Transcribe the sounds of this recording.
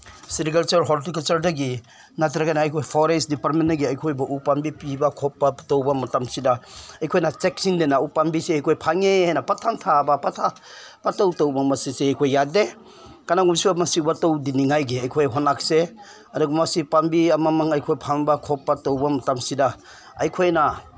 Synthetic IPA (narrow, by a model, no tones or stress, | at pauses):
siɾikɐlt͡ʃɐɾɦɔɾtik̬ɐlt͡ʃɐɾdaɡi | nat̬ɾaɡanaːjkʰojpʰɔɾesdipaɾtmenːɐɡiɐjkʰojbɐʔupambipibɐkʰɔpːatowbɐmɐtamsidaɐjkʰojnat͡ʃek̚siŋdenaupambiseajkʰojpʰaŋeajnapatʰamtʰabɐpatʰa | patawtowbɐmɐsisehajkʰojːade | kanaɡumsiamɐsibɐtowdiniŋajɡiɐjkʰojɦonak̚se | ɐduɡumɐsipambiɐmamaŋɐjkʰojpʰaŋbakʰɔpːatowbɐmɐtamsida | ɐjkʰojna